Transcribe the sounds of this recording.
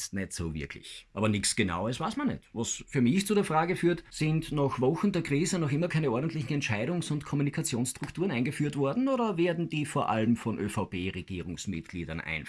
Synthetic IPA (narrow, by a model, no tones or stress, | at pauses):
stnɛtsoːvɪ̰ɐkʰlɪ̰çʔaːbɐnɪçt͡ssɡ̥əna̰ʊəsv̥aɪsmanɛ̰tvasfyːɐmɪçt͡sudeːɐfʁaːɡəfyːɐtsɪntnaxvɔxn̩deːɐkʁ̥iːzənɔxʔɪmɐkʰaɪnəʔɔɐdn̩tlɪçn̩ɛntʃaɪɾʊŋsʊntkʰɔmunikʰat͡sjoːnstʁ̥ʊktʰuːʁənʔaɪnɡəfyːɐtv̥ɔɐdn̩oːdɐveːɐdn̩diːfoːɐʔa̰ləmfɔnʔøfaʊpeːʁeɡ̥iːʁʊŋsmɪ̰tɡ̥liːdɐnʔa̰ɪn